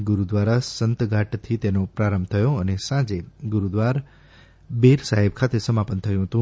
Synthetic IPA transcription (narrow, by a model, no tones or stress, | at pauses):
ɡuɾud̪ʋaɾasənt̪ɡʱaʈt̪ʰit̪enopɾaɾəmbt̪ʰəjoənesãd͡ʒeɡuɾud̪ʋaɾ | beɾsaɦibkʰat̪esəmapənt̪ʰəjũɦət̪ũ